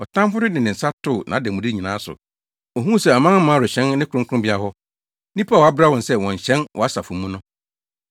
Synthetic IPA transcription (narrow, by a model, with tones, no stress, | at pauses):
ɔ˨tʰã˦mfʊ˦ɾɪ˦dɪ̃˨nɪ̃˨n̩˨sa˦tʰʊ˦˨nʔã̰˨˦dɛ̃˨mũ˨di˦ɲĩ˨nãː˨˦sʊ̰˨ | ɔ˨ɦũ˦sɛ˦a˨mã˦n˦mã˦˨ɾʊ˨ɕɛ̃˦nːɪ̃˦kʰʊ˨ɾʊ̃˦ŋkʰʊ˦ʊ̃˦bi˨˦a˨hɔ˦ | nɪ̃˦pʰa˦˨wɔ˨a˦bɾa˦wɔ̃˨nsɛ˦wɔ̃˨ɲ˨ɕɛ̃˦nwʔɔ˨a˦sa˨fʊ̃˨mũ˦nʊ̃˦